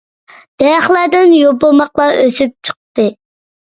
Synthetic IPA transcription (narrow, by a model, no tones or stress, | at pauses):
d̪̥ɛjχlˠæɾd̪ɪnjobomɑqlˠɑʔøsyp̚t͡ʃʰə̥q̚t̪ɨ